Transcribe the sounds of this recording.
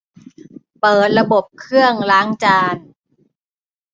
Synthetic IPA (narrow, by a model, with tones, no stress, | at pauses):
pɤː˨˩t̪̚ɾa˧bo˨˩p̚kʰɯ˥˩əŋlaː˦˥ŋt͡ɕaː˧n